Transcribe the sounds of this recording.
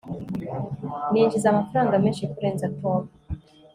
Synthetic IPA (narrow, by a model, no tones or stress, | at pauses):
niːɲd͡ʒizamafɾaːŋɡameːnʃikuɾeːnzatoβa